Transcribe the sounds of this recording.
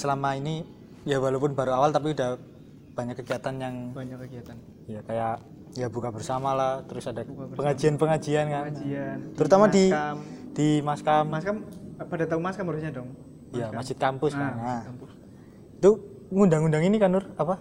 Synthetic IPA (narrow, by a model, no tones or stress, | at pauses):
səlamaini | jabalupʊnbaɾuawalt̪ap̬iudah | b̥aɲakːəɡiat̪anjaŋbɲkkiat̪an | jakajaʔ | jabukabərsamalaht̪əɾʊsadapəŋad͡ʒianpəŋad͡ʒiankanit̪əɾut̪amadid̥imaskamskampadat̪aʊŋmaskamɾusɲadɔŋ | ijamasɪt̪̚kampʊskaɲa | t̪u | ŋundaŋundaŋinikanʊrapa